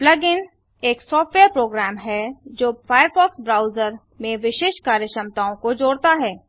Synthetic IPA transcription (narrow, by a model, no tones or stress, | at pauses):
plɐɡɪn | eːksɔːfʈʋeːɾpɾoːɡɾɛːmɦɛd͡ʒoːfʰaːjəɾfɔːksbɾaːʊzəɾ | mẽʋɪʃeːʃkaːɾjəʃə̃mt̪aːõkod͡ʒoːɽt̪aɦɛː